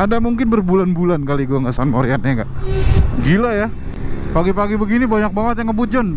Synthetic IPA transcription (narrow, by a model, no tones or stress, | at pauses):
adamuŋkɪnbərbulanbulankaliɡuaŋɡasanmoɾianaŋɡaʔɡilaja | paɡipaɡibəɡinibaɲak̚baŋət̪jaŋəbut̪̚d͡ʒɔn